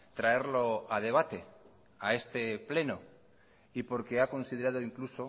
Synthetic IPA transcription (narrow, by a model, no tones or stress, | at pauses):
t̪ɾae̞ɾlo̞að̞e̞β̞at̪e̞ | ae̞st̪e̞ple̞no̞ | ipo̞ɾke̞ako̞nsiðeɾað̞oiŋkluso̞